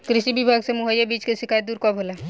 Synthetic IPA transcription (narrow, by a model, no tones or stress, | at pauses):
kɾɪʃibɪbʱaːɡsemʊɦəjabiːt͡ʃkeʃɪkʰaːjət̪̚d̪uːɾkɔbʱoːla